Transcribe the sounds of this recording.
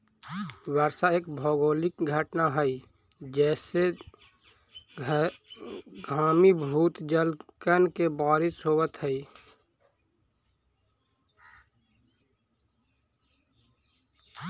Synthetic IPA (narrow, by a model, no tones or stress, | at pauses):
wəɾsaeːkbʱɔːɡoːlɪkɡʱəʈnaɦəi | d͡ʒɛːse | ɡʱaːmibʱuːt̪d͡ʒəlkənkebaːɾɪsɦoːwət̪ɦəi